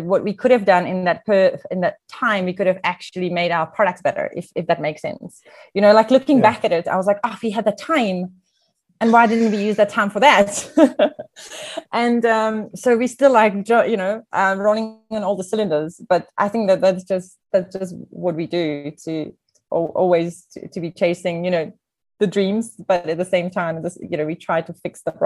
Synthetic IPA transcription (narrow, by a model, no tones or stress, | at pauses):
wʌʔ̚wikʰʊɾɨvdʌ̃nɨ̃nðɨt̚pʰɜ˞ɨ̃nðɨtʰãɪ̃mwikʊɾɨvæk̚t͡ʃʉl̩ˠimeɪɾaʊə˞pʰɹ̥ɑɾʌk̚tsb̥ɛɾə̰˞ʔɪ̰fɨfðɨt̚meɪksɛ̰̃ns | jɨñoʊlaɪklʊkɪ̃ŋbækɨɾɪta̰ɪwʌzlaɪkɑfhiɨd̪̚ðɨtʰãɪ̃m | ɨ̃nwaɪdɪdⁿn̩t̚wijʉzðɨtʰãɪ̃ɱfə˞ðæt̚ | ʔɨ̃nʌ̃msoʊwistɪlaɪk̚d̥ʌjɨnoʊʔʌ̃ɹonɪ̃ŋɨ̃nɔlˠðəsɪlˠɨ̃ndə˞z̥b̥ʌɾʔa̰ɪθɪ̃ŋk̚ðɨt̪̚ðætsd̥ʒ̥ʌst | ðætsd̥ʒ̥ʌst̚wʌt̚widɨɾʰɨ | ʔɔʔɔ̰lˠwiz̥ʰ | ɨ̰tʰɨbit͡ʃʰeɪsɪ̃ŋjɨñoʊ | ðɨdɹĩmz̥b̥ʌɾɨt̪̚ðɨsẽɪ̃mtʰãɪ̃m̚ðɨsjɨnoʊwitʰɹ̥aɪd̚tʰəfɪksðəbɹ